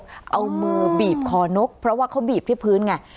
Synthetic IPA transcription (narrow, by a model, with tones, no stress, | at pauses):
ʔa˧wmu˧biː˨˩p̚kʰɔː˧˩no˦˥k̚pʰɾɔ˦˥waː˥˩kʰa˦˥wbiː˨˩p̚t̪ʰiː˥˩pʰɯː˦˥nka˧˩